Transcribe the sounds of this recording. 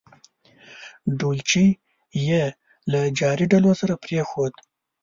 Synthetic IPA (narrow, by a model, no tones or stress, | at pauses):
ɖolt͡ʃi | je | lad͡ʒɑɾiɖalosaɾapɾexod̪